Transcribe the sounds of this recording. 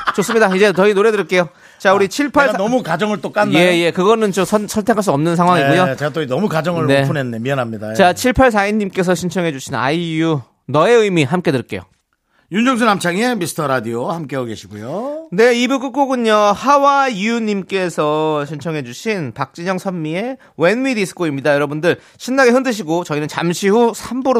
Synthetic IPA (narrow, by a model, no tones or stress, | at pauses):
t͡ɕos͈ɯmɲidaid͡ʑe̞t͡ɕʌinoɾe̞dɯɾk͈e̞jo | t͡ɕauɾit͡ɕʰiɭpʰaɭnʌmukad͡ʑʌŋɯɭt͈ok͈anːjeje̞kɯɡʌnɯnt͡ɕomsʰʌsʰʌɭtʰe̞kʰaɭs͈uʌmnɯnsʰaŋɦwaŋiɡujot͡ɕeɡat͈ʌinʌmukad͡ʑʌŋɯɭne̞unɦenːemiʌnɦamɲidat͡ɕat͡ɕʰiɭpʰaɭs̬ʰaiɲːimk͈e̞s̬ʰʌɕʰint͡ɕʰʌŋɦe̞d͡ʑuɕʰina̰iju | nʌe̞ɯjmiɦamk͈e̞dɯɭk͈e̞jo̰ | jund͡ʑʌŋs̬ʰunamt͡ɕʰaŋemisʰɯ̥tʰʌɾadiohamk͈eoɡe̞ɕʰiɡujone̞ibuk͈ɯk͈oɡɯɲʌhawaijuɲimk͈e̞sʰʌɕʰint͡ɕʰʌŋɦe̞d͡ʑuɕʰinpak̚t͡ɕ͈iɲʌŋsʰʌnmie̞ | wenwidisʰɯ̥koimɲidajʌɾʌbundɯɭ | ɕʰinːaɡeɦɯndɯɕ̬ʰiɡot͡ɕʌinɯnt͡ɕamɕʰihusʰambuɾ